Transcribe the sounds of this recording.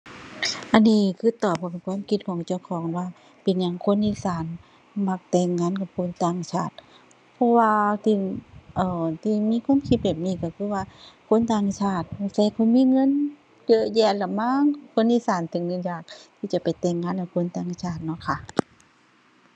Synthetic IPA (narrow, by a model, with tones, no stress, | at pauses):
ʔa˧˨nːiː˧˩kʰɯː˧˥˨t̪ɔː˨˩p̚ʰɔ˧pe˨nkʰwaː˧˥˨mkʰi˧˥t̪̚kʰɔː˨˩˦ŋt͡ɕa˧˨wkʰɔː˨˦ŋwaː˧ | pe˨nɲa˧˩ŋkʰo˧˥˨nʔi˧˨saː˨˦n | ma˧˩k̚t̪ɛː˧˩ŋːaː˧˥˨nka˨˩p̚kʰo˧˥˨nt̪aː˧˩ŋt͡ɕʰaː˧˩t̪̚ | pʰɔ˧waː˧t̪ʰiː˧ʔɤː˧˩t̪ʰiː˧˩miː˧˥˨kʰwaː˧˥˨mkʰi˧t̪̚bɛː˨˩p̚niː˧˩˨kɔ˧˩kʰɯː˧˥˩waː˧kʰo˧˥˨nt̪aː˧˨ŋt͡ɕʰaː˧˩t̪̚sa˧˩jkʰɔ˧˩˨miː˧˥˨ŋɤ˧˥˨n | jɤ˧ʔjɛː˧˩t̪la˧˩maː˧˥˨ŋkʰo˧˥˨nʔiː˧˥˨saː˨˦nt̪ʰɯ˨˦ŋːɯ˧˥˨njaː˨˩k̚t̪ʰiː˧˩t͡ɕa˧˩pa˨˩jt̪ɛː˧˩ŋːaː˧˥˨nka˧˩kʰo˧˥˨nt̪aː˧˩ŋt͡ɕʰaː˧˩t̪̚nɔ˧˥˨kʰa˧˩ʔ